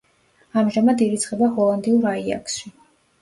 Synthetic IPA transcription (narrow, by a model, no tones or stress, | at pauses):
amʒamad̪iɾit̪sʰχɛbahɔlˠand̪iuɾaia̰ksʃi